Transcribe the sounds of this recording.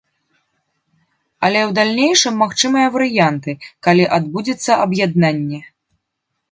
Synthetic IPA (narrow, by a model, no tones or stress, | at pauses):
ɐlʲɛwd̪alʲnʲejʂɨmːaxt͡ʂɨmɨjɐvɐɾɨjant̪ɨkalʲiʔad̪bud͡zʲɛt̪sːɐʔɐbjad̪nanʲːɛ